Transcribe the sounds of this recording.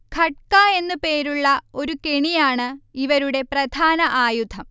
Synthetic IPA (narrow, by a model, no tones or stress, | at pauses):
kʰɐʈ̚kaːe̞nːɨpe̞ːɾuɭːɐo̞ɾukeɳijaːɳɨiʋɐɾuɽe̞prɐd̪ʱaːnɐʔaːjud̪ʰʱɐm